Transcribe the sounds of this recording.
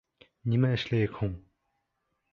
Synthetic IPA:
ɲimaɕlekʰoŋ

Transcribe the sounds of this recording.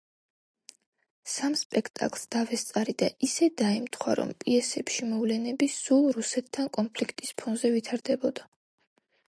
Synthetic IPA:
samspʼɛkʰt̪ʼa̰kʼlˠsd̪̥avɛst̪sʼaɾid̪aʔisɛd̪aɛmt̪ʰχwa̰ɾɔ̰mpʼiɛsɛpʃimɔvlɛnɛbisulˠɾusɛt̪ʰːankʼɔnpʰlikʰt̪ʼispʰɔnzɛvit̪ʰaɾd̪ɛbɔd̪a

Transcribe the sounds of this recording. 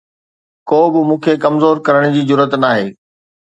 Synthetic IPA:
koːbɪmũːkʰekɐmzoːɾkɐɾəɽ̃d͡ʑiːd͡ʑʊɾət̪naːɦeː

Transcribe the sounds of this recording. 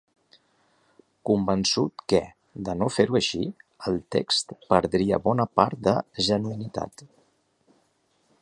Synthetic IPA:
kumbənsut̪kɛ | d̪ənofeɾuəʃiəlˠt̪ḛkst̪pəɾðɾiə̰βɔnəpaɾt̪̚d̪əʒənuinit̪a̰t̪

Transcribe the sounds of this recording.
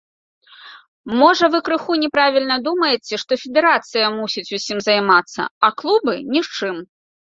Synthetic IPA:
mɔʐɐvɨkɾɨxunʲɛpɾavʲilʲnɐd̪umɐjɛt͡sʲɛʂt̪ɔfʲɛd̪ɛɾat̪sɨjɐmusʲit͡sʲusʲimzɐjmat̪sːɐ̰ɐklˠubɨnʲiʂt͡ʂɨm

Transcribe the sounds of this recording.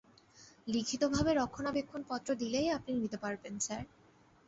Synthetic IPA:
likʰit̪obʱabeɾɔkʰːonabekʰːonpɔt̪ːɾod̪ilejapninit̪epaɾbent͡ɕɛɾ

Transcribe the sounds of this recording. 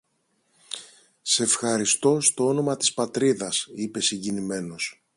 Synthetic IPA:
se̞fxɐɾist̪o̞st̪o̞o̞no̞mɐt̪i̥spɐt̪ɾiðɐsipe̞siɲɟinime̞no̞s

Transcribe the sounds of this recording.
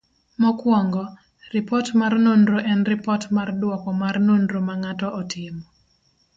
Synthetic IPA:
mɔkwɔŋɡɔ | ripɔtmarnondɾoʔɛnripɔtmardwɔkɔmarnondɾomaŋatɔʔɔtʰɪmɔ

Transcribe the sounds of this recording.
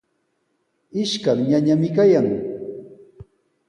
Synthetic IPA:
ɪʃkamɲaɲamɪkajaŋ

